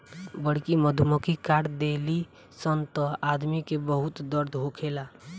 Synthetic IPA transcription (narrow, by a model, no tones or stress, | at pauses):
bəɽkiməd̪ʱuməkikaːɽd̪eːli | sənt̪əaːd̪mikebəɦʊt̪d̪əɾd̪ʱɦokʰeːlaː